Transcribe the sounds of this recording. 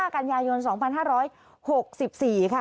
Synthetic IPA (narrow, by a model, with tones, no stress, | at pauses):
aː˥˩ka˧njaː˧jo˧nsɔː˩˦ŋpʰa˧nɦaː˥˩ɾɔː˦˥j | ho˨˩k̚si˨˩p̚siː˨˩kʰa˦˥˩